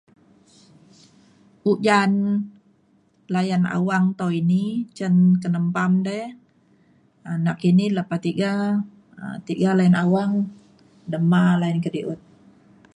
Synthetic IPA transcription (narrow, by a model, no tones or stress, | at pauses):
ʔuʔd͡ʒan | lajana̰waŋt̪owinit͡ʃənkənəmpamdɛ | anakiniləpat̪iɡa | ə̰t̪iɡalajanawaŋ | dəmalajənkədiʔut̪̚